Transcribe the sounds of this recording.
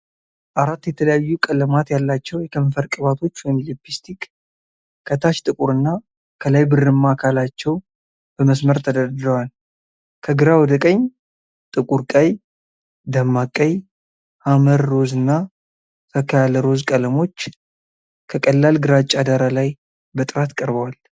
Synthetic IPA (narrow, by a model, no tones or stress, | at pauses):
ʔaɾat̪ːjɛt̪ʰələjajːukʼələmat̪jalːat͡ʃːɛwjɛkʰəɱfəɾkʼɨβat̪ʰo̞t͡ʃːwɔjmilipːist̪ʰikʼ | kʰːət̪ʰaʃt̪ʼɨkʼuɾɨnːa | kʰəlajbɨrɨmːakʰalat͡ʃːɛw | b̥əməsməɾt̪ʰəd̪əɾd̪ɾəwal | kʰəɡɨɾawɔd̪əkʼəɲː | t̪ʼɨkʼuɾkʼaj | d̪amːakʼəj | haməɾːo̞zɨnːa | t̪ʰəkʰəjaləɾo̞zkʼələmo̞t͡ʃː | kʰəkʼəlːalɡɨɾat͡ʃʼːad̪aɾalaj | bət̪ʼɨɾat̪kʼəɾbəwal